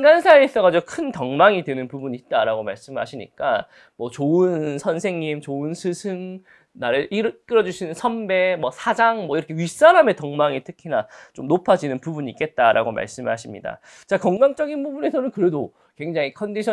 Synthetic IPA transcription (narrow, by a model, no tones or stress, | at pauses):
ŋɡansʰaiːs͈ʌɣad͡ʑiɡokʰɯntʌŋmaŋidwe̞nɯnpubuɲiit̚t͈aɾaɡoma̰ɭs͈ɯmɦa̰ɕʰiɲḭk͈a | mwʌt͡ɕoɯnsʰʌnsʰe̞ŋɲimt͡ɕoɯnsʰɯsʰɯŋ | naɾɯʔiɾk͈ɯɾʌd͡ʑuɕʰinɯnsʰʌmbe̞mwʌsʰad͡ʑaŋmwʌiɾʌkʰe̞ɥis͈aɾame̞tʌŋmaŋitʰɯkʰinat͡ɕ͈omnopʰad͡ʑinɯnpubuɲiːk͈e̞t̚t͈aɾʔa̰ɡoma̰ɭs͈ɯmɦaɕʰimɲida̰ | t͡ɕakʌŋɡaŋt͡ɕ͈ʌɡinbubune̞sʰʌnɯnkɯɾe̞do | kwe̞ŋd͡ʑaŋikʰʌndiɕʰʌ